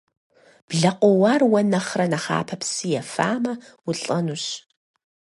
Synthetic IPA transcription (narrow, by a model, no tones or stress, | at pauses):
b̥ɮɐqʷɔwɑːrwɐnɐχrɐnɐχa̰ːpʰɐpsɨjɛfa̰ːmɐwʊɬʼɐnuɕ